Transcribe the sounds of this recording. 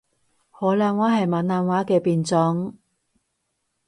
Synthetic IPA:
hɔː˨˥laː˧nwaː˨˥ɦɐ˨jmaː˨˥nlaː˧nwaː˨˥kɛː˧piː˨nt͡sɔ˨˥ŋ

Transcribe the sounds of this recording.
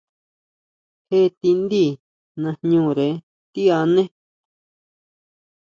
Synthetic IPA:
he˦˧t̪i˧nd̪i˦˨ | nã˧ɲũː˦˧˨ɾe˨˦ | t̪i˦a˧nẽ˦

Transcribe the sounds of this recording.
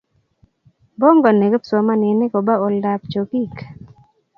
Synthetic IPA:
bɔ˦ŋɡɔ˨ne˨ɡpso˨ma˦nɪ˨nɪ˦ko˨ba˦o˨lda˨pt͡ʃo˨ki˦k

